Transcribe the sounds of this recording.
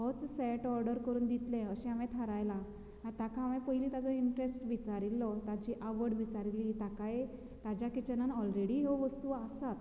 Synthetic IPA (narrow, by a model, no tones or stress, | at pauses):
ɦɔt͡ssɛʈɔɾɖəɾkəɾuːnd̪it̪lɛ̃əɕɛ̃amɛ̃t̪ʰəɾajla | ant̪akʰaamɛ̃pəɦiliːt̪ad͡zɔiɳʈɾesʈʋit͡saɾilːɔt̪at͡ɕiʔaʋəɽʋit͡saɾiliːt̪akaj | t̪ad͡ʑjakit͡ɕənanɔlɾeɽiɦeʋəst̪uasat̪